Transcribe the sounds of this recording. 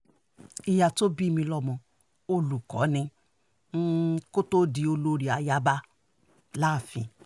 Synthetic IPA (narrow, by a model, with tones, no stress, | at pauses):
i˧ja˧to˦bi˦mĩ˧lɔ˧mɔ̃˨ | o˧lu˨kɔ̰˨˦nĩ˧˦ | ko˦to˦di˨˧o˧lo˧ɾi˨a˨ja˦ba˦ | la˦˨fḭ̃˨